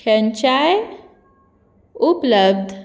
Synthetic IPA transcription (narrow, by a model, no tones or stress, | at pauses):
ənt͡ɕaj | upləbd̪ʱ